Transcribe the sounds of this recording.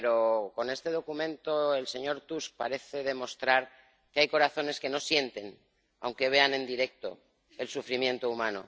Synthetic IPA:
eɾo̞ko̞ne̞st̪e̞ð̞o̞kumẽ̞nt̪o̞e̞lse̞ɲo̞ɾt̪usk̚pa̰ɾe̞θe̞ðe̞mo̞st̪ɾaɾ | keajko̞ɾaθo̞ne̞ske̞no̞sje̞nt̪e̞n | a̰wŋke̞β̞e̞anẽ̞nd̪iɾe̞k̚t̪o̞̰ | e̞lsufɾimje̞nt̪oumãno̞̰

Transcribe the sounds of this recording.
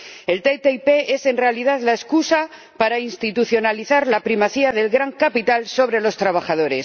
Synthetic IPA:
e̞lt̪et̪eipe̞e̞se̞nre̞alið̞aðlae̞skusa | paɾainst̪it̪uθjo̞naliθaɾlapɾimaθiaðe̞lɣɾaŋkapit̪also̞β̞ɾe̞lo̞st̪ɾaβ̞axaðo̞ɾe̞s

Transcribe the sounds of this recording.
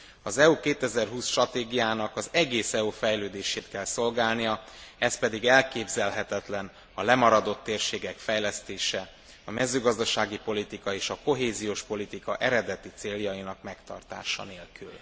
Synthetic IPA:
ɒzɛukeːt̪ɛzɛrɦuːsʃt̪rɒt̪eːɡijaːnɒkɒzɛɡeːsɛufɛjløːd̪eːʃeːt̪kɛlso̞lɡaːlnijɒɛs̚pɛd̪iɡɛlkeːbzɛlɦɛt̪ɛt̪lɛn | ɒlɛmɒɾɒd̪o̞t̪ːeːrʃeːɡɛkfɛjlɛst̪eːʃɛ | ɒmɛzøːɡɒzd̪ɒʃaːɡipo̞lit̪ikɒeːʃɒko̞ɦeːzijoːʃpo̞lit̪ikɒʔɛɾɛd̪ɛt̪it̪seːljɒjinɒkmɛkt̪ɒ̰rt̪a̰ːʃɒ̰neːlkyl

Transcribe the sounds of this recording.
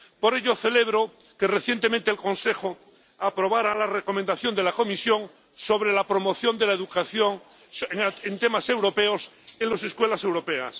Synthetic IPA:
po̞ɾe̞ʎoθe̞le̞β̞ɾo̞ | ke̞reθje̞nt̪emẽnt̪eːlko̞nse̞xo | apɾo̞βaɾalareko̞mẽnd̪aθjo̞nd̪e̞lako̞misjoŋ | so̞βɾe̞lapɾo̞mo̞θjo̞nd̪elaeðukaθjoŋ | ent̪e̞mase̞wɾo̞pe̞o̞senlo̞se̞skwe̞lase̞wɾo̞pe̞a̰s

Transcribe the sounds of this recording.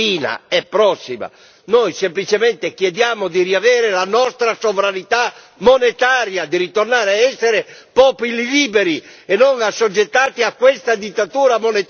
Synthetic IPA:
iːna̰ɛpːɾɔsːima̰ | nojsemplit͡ʃement̪ek̟jɛd̪jaːmʊd̪iriavɛːɾelanɔst̪ɾasovɾanit̪a | monet̪aːɾjad̪iɾit̪ornaːɾeaɛsːeɾepɔːpililiːbeɾiɛnːoŋasːod͡ʒːet̪ːaːt̪iakːwest̪ad̪it̪ːat̪uːɾamonet̪

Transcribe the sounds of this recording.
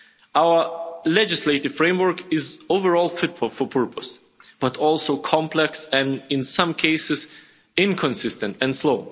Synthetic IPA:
awə˞lɛd͡ʒɪsleɪɾɨv̥fɹẽɪ̃mwə˞kɪzoʊvəɹɔlˠfɪtfʊlˠfɔ˞pʰɜɹpʰəs | b̥ʌtɔlˠsoʊkʰɑ̃mplɛksɛ̃nɪ̃nsʌ̃mkʰeɪsɨz | ɪ̃nkʰə̃nsɪstɨ̃ntɛ̃nsloʊ

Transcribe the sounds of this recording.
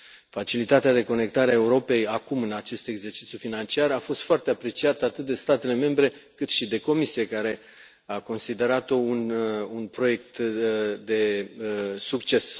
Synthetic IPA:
fat͡ʃilit̪at̪ead̪e̞ko̞ne̞kt̪aɾeae̞uɾo̞pe̞jakumɨnat͡ʃe̞st̪e̞ɡze̞rt͡ʃit̪sʲjufinant͡ʃiarafo̞st̪foart̪e̞apɾe̞t͡ʃiat̪əat̪ɨt̪̚d̪e̞st̪at̪e̞le̞me̞mbɾe̞kɨt̪ʃid̪e̞ko̞misije̞kaɾe̞ | ako̞nsid̪e̞ɾat̪o̞ununpɾo̞je̞k̚t̪d̪e̞ | sukt͡ʃe̞s

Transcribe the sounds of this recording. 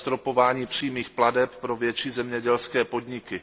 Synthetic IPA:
st̪ɾo̞po̞vaːɲiːpr̝̥iːmiːxpladɛppɾo̞vjɛt͡ʃiːzɛmɲɛɟɛlskɛːpo̞dɲɪkɪ

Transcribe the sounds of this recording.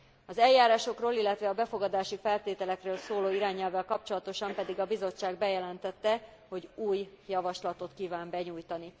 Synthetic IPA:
ɒzɛljːaːɾaːʃo̞kroːlilːɛt̪ʋɛɒbɛfo̞ɡɒd̪aːʃifɛlt̪eːt̪ɛlɛkrøːlsoːloːiɾaːɲɛlvɛlkɒpt͡ʃo̞lɒt̪o̞ʃɒmpɛd̪iɡɒbizo̞t͡ʃːaːɡbɛjɛlɛnt̪ɛt̪ːɛ | ho̞ɟuːj | jɒvɒʃlɒt̪o̞t̪kiːvaːmbɛɲuːjt̪ɒni

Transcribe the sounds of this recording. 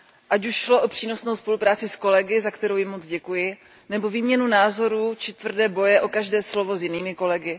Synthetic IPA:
ʔacuʃʃlo̞ʔopr̥iːno̞sno̞wspo̞lupɾaːt͡sɪsko̞lɛɡɪzakt̪ɛɾowjɪmo̞t͡sɟɛkujɪ | nɛbo̞viːmɲɛnunaːzo̞ɾuːt͡ʃɪt̪vr̩dɛːbo̞jɛʔo̞kaʒdɛːslo̞vo̞zjɪniːmɪko̞lɛɡɪ

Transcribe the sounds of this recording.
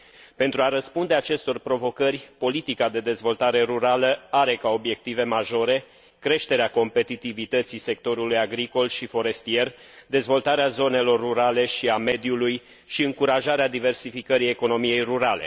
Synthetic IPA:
pe̞nt̪ɾuaɾəspund̪e̞at͡ʃe̞st̪o̞rpɾo̞vo̞kərʲpo̞lit̪ikad̪e̞d̪e̞zvo̞lt̪aɾe̞ɾuɾaləaɾe̞kao̞bje̞k̚t̪ive̞maʒo̞ɾe̞ | kɾe̞ʃt̪e̞ɾeako̞mpe̞t̪it̪ivit̪ət̪sise̞k̚t̪o̞ɾulujaɡɾiko̞lʃifo̞ɾe̞st̪ie̞rd̪e̞zvo̞lt̪aɾeazo̞ne̞lo̞rːuɾale̞ʃiame̞d̪juluj | ʃiɨŋkuɾaʒaɾead̪ive̞rsifikəɾije̞ko̞no̞mije̞jruɾale̞̰

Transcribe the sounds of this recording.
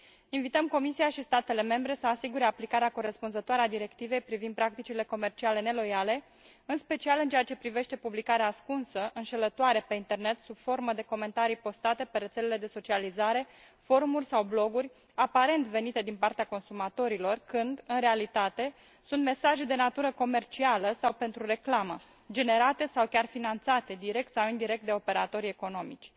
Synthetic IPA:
invit̪əmko̞misiaʃist̪at̪e̞le̞me̞mbɾe̞səasiɡuɾe̞aplikaɾeako̞ɾe̞spunzət̪oaɾead̪iɾe̞kt̪ive̞jpɾivind̪̚pɾak̚t̪it͡ʃile̞ko̞me̞rt͡ʃiale̞ne̞lo̞jale̞ | ɨnspe̞t͡ʃialɨnt͡ʃeat͡ʃe̞pɾive̞ʃt̪e̞publikaɾeaskunsəʔɨnʃe̞lət̪oaɾe̞pe̞int̪e̞rne̞t̪sub̥fo̞rməd̪e̞ko̞me̞nt̪aɾijpo̞st̪at̪e̞pe̞ɾe̞t̪se̞le̞le̞d̪e̞so̞t͡ʃializaɾe̞ | fo̞ɾumurʲsawblo̞ɡurʲ | apaɾe̞nt̪ve̞nit̪e̞d̪inpart̪eako̞nsumat̪o̞ɾilo̞rkɨnd̪ɨnɾe̞alit̪at̪e̞ | sunt̪me̞saʒed̪e̞nat̪uɾəko̞me̞rt͡ʃialəsawpe̞nt̪ɾuɾe̞klamə | d͡ʒe̞ne̞ɾat̪e̞sawkʲarfinant̪sat̪e̞d̪iɾe̞k̚t̪sawind̪iɾe̞k̚t̪̚d̪eo̞pe̞ɾat̪o̞ɾʲe̞ko̞no̞mḭt͡ʃʲ

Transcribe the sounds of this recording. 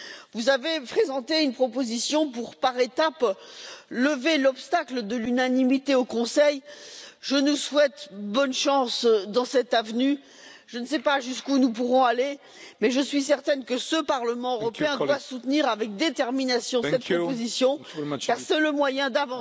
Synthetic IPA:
vuzavepχezɑ̃t̪eynpχɔpozisjɔ̃puʁpaʁet̪ap | ləvelɔpst̪akləd̪əlynanimit̪eokɔ̃sɛjʒənuswɛt̪bɔnʃɑ̃sd̪ɑ̃sɛt̪avny | ʒ̥ənsɛpaʒyskunup̬uʁɔ̃ale | mɛʒəsɥis̬ɛʁt̪ɛnkəsəpaʁləmɑ̃øʁɔpeɛ̃d̪wasut̪niʁavɛk̚d̪et̪ɛʁminasjɔ̃ssɛt̪̚pχɔpozisjɔ̃ | kaʁsɛləmwajɛ̃d̪avɑ̃

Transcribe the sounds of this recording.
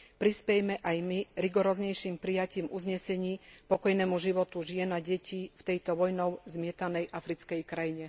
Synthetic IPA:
pɾispɛjɛmɛʔajmiɾiɡɔɾɔːzɲɛjʃiːmpɾijaciːmʔuzɲɛsɛɲiːpɔkɔjnɛːmuʒiʋɔt̪uʒɪɛnaɟɛcift̪ɛjt̪ɔʋɔjnɔʊzmɪɛt̪anɛjʔafɾit͡skɛjkɾajiɲɛ

